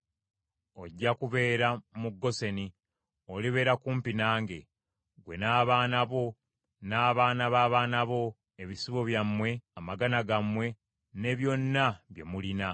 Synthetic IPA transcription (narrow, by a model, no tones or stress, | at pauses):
o̞ɟːakuβe̞ːɾamuɡːo̞se̞ni | oliβe̞ːɾakuːmpinaːŋɡe̞ | ɡwe̞naːβaːnaβo | naːβaːnaβaːβaːnaβo̞ | eβisiβo̞βjamːwe̞amaɡanaɡamwe̞ | ne̞βjo̞nːaβje̞̰mulina